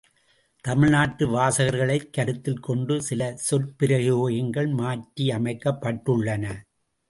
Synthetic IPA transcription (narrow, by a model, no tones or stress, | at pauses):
t̪ɐmɪɻnaːʈːɯʋaːsɐɣɐɾɣɐɭɐɪkːɐɾɯt̪ːɪlkɔɳɖɯsɪlɐsɔlpɪɾɐɣɪoːjɪŋɡɐɭmaːʈɾiɐmɐɪkːɐpːɐʈːɯɭːɐnɐ